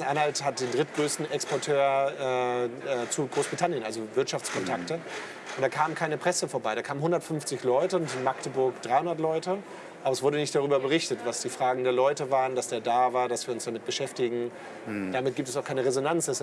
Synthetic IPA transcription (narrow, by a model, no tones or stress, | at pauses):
ʔanhalthat̚d̥eːndʁɪt̚ɡ̥ʁøːstn̩ɛkspɔɐtʰøːɐɛːɛːt͡suɡʁoːsbʁ̥itʰanjənʔalzovɪɐtʃaft͡skʰɔntʰaktə | ʔʊntd̥aːkʰaːmənkʰaɪnəpʁ̥ɛsəfoːɐbaɪɾaːkʰaːmənɦʊndɐtfʏnft͡sɪçlɔʏtəʊntɪnmaktəbʊɐkd̥ʁaɪhʊndɐtlɔʏtə | ʔaːbɐɛsv̥ʊɐɾənɪçtd̥aʁyːbɐbəʁɪçtətv̥asd̥iːfʁ̥aːɡŋ̩deːɐlɔʏtəvaːʁəndasd̥eːɐdaːvaːɐdasv̥iːɐʊnsd̥amɪt̚b̥əʃɛftɪɡŋ̩ | d̥amɪt̚ɡ̥iːptɛs̬aʊkʰaɪnəʁezonant͡sɛs